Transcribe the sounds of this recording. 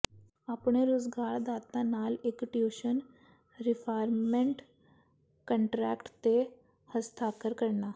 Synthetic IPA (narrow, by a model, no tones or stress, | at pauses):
apɳ̃eɾozɡaːɾd̪aːt̪ãnaːlekʈjoːʃən | ɾɪpʰaːɾmẽɳʈ | kə̃ɳʈɾɛːkʈt̪e | həst̪ʰaːkəɾkəɾnaː